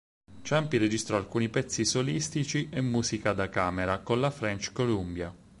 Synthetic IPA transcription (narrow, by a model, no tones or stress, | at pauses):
t͡ʃampired͡ʒist̪ɾɔalkuːnipɛt̪sːisolist̪it͡ʃiʔemːuːzikad̪akaːmeɾakonlafɾɛnt͡ʃkolumbja